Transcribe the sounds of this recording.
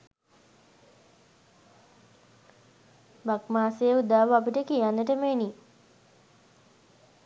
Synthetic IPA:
bakmaːseəud̪aːʋəapiʈəkijanːəʈəmeni

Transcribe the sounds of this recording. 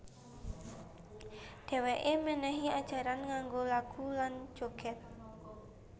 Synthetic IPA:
d̥ɛ̤weʔemənɛɦiad̥ʒ̥a̤ɾanŋaŋɡolaɡ̥uland͡ʒoɡɛt̪̚

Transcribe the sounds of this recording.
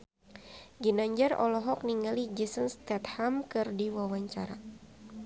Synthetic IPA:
ɡinaɲd͡ʒarɔ̰lɔɦɔk̚niŋalid͡ʒisənst̪ɛt̪̚hamkɨrdiwawaɲt͡ʃa̰ɾa

